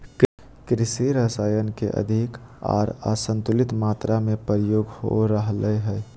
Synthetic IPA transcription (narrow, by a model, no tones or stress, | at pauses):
k | kɾɪsiɾəsaːjənkeʔə̰d̪ʱika̰ːɾa̰ːsə̃nt̪ʊlɪt̪maːt̪ɾamẽpəɾɪjoːɡho̰ɾəɦləɦɛː